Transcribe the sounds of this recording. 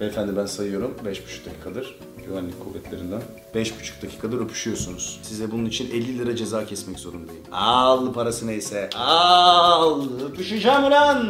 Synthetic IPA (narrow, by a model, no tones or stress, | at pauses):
efænd̪imbænsajɯjo̞ɾumbɛʃbu̥t͡ʃʰu̥k̚d̪acʰiːkʰad̪ɯɾ̥ | ɟyvænlːʲikʰovɛt̪lʲeɾind̪æn | bɛʃbu̥t͡ʃʰu̥k̚d̪acʰi̥ːkʰad̪ɯɾøpʰy̥ʃyjo̞sunuz̥sizɛbununit͡ʃʰinɛlʲːilʲiɾad͡ʒe̞zaːcʰɛsmɛczo̞ɾund̪ajialˠpʰaɾasɯnajisɛa | lˠøpyʃɯd͡ʒamiɾan